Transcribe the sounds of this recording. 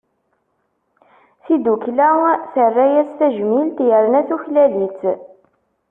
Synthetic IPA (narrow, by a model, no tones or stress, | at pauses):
θid̪uklæθərːæjæsθæʒmilt̪jəɾnæθuçlælit͡s